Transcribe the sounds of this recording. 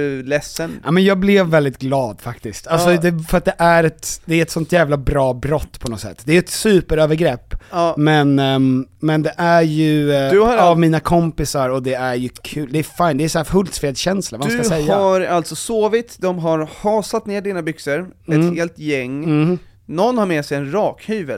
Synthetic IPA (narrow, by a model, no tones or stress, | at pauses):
lɛsːənʔamɛnjɑːɡ̚blɪvːɛld̪ɪt̪ɡlɑːd̪fakt̪ɪst̪alsɔd̪ɛfœɾat̪d̪ɛʔæɾɛt̪d̪̥ɛæɾɛt̪sɔnt̪jæːvlabɾɑːbɾɔt̪ːpʰɔnɔsɛ̰t̪ːd̪ɛæjɵɛt̪sʉ̟ːpəɾøːvəɾɡɾɛpːmɛnmɛnd̪ɛʔæɾjɵd̪aavmiːnakʰɔmpɪsaɾɔd̪ɛæɾjɵkʰʉ̟ːld̪ɛːɾfajnd̪ɛæsæːfɵlt̪fɾeːd̪ɕɛnslavakaɛjːaɾalt̪sɔsoːvɪt̪d̪ɔmɦaɾhɑːsat̪neːɖiːnabʏksəɾɛheːlt̪jɛŋː | nɔnːhaɾmeːsɛjɛnɾɑːkhyːvəl